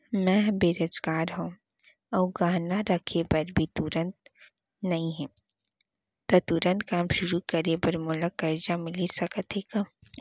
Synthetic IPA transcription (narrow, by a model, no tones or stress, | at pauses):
mɛ̃beːɾoːzɡaːɾɦũː | ɔːɡaːɦnaɾɐkʰepɐɾbʱit̪uɾə̃nt̪̚ | nɐɦĩɦɛ̃ː | t̪ɔt̪uɾə̃nt̪kaːmʃʊɾukɐɾepɐɾmʊləkɐɾd͡ʒamɪlisɐkət̪eːɡaː